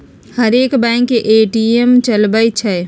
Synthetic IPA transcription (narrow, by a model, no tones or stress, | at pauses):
həɾeːkbɛ̃ŋkːeʔeːʈiemt͡ʃəlbəjt͡ʃʰɛ